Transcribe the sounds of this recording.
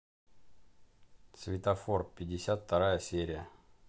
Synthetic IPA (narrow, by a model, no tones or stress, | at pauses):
svʲɪt̪ɐfo̞rpʲɪdʲːɪsʲat̪ft̪ːɐɾajəsʲeɾʲɪjə